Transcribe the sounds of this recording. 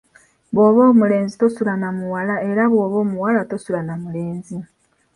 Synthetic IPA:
βwo̞ːβo̞ːmule̞ːnzitosulanamuwalae̞ɾaβwoːβo̞ːmuwalatosulanamule̞ːnzi

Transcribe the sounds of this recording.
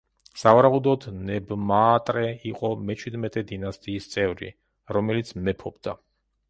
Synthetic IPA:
savaɾaud̪ɔd̪nɛbmaːt̪ʼɾɛiqʼɔmɛt͡ʃʰwid̪mɛt̪ʼɛd̪inast̪ʼiːst̪sʼɛvɾḭ | ɾɔmɛlit̪sʰmɛpʰɔbd̪a

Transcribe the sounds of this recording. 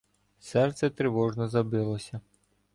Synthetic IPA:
sɛrt̪sɛt̪ɾeʋɔʒnɔzɐbɪlˠɔsʲɐ

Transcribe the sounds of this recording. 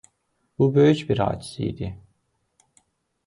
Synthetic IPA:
b̥ubøjyt͡ʃbiɾa̰ːt͡ʃsḭjd̪ɪ

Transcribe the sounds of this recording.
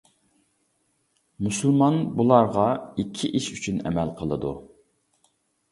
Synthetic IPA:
musulˠmɑnbulˠɑɾʁɑikʲʰːiʔiʃyt͡ʃʰynɛ̰mɛlqʰəlˠəd̪ṵ

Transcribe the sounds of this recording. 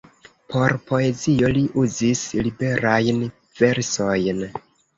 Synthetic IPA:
po̞ɾpo̞e̞zio̞liʔuzislibe̞ɾajn | ve̞ɾso̞jn

